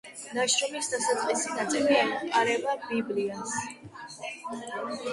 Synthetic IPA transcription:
naʃɾɔmisd̪asat̪sʼqʼisinat̪sʼiliamqʼaɾɛbabiblians

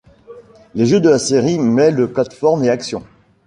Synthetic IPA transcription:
leʒød̪əlaseʁimɛləplat̪fɔʁmeaksjɔ̃

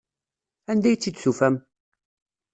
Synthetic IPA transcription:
ænd̪æjt͡sːid̪sufæm

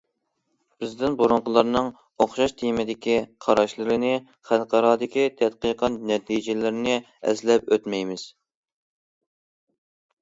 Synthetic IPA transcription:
b̥ɪzd̪ɪnbuɾuŋqʊlˠɑɾnɨŋ | oχʃɑʃt̪ʰijmɪd̪ɪkʲiqʰɑɾɑʃlˠɨɾɨnɪ | χælˠqʰɑɾɑːd̪ɪkʲit̪ʰɛt̪qəqʰɑt̪nɛt̪ʰijd͡ʒɪlɪɾɪnɪ | ɛ̰zlɛpøt̪mɛjmɪz̥

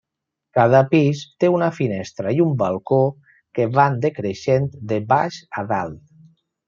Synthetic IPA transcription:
kað̞əpist̪eunafinɛst̪ɾaiumbalˠko | keβand̪ekɾeʃent̪d̪eβaʃaða̰lˠt̪

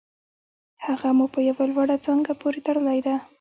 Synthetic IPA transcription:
haɣamupəjawalwaɽat͡səŋɡapoɾet̪aɽəlajd̪a

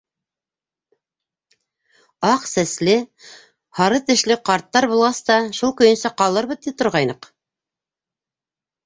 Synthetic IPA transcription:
ɑqsæslɘ | hɑɾɤt̪ɘ̆ʃlɘqɑɾt̪ːɑɾbulˠʁɑst̪ɑʃulˠkɵ̆j̆nsæqɑlˠɤɾβɤðt̪ip̚t̪ŏɾʁɑjnɤq

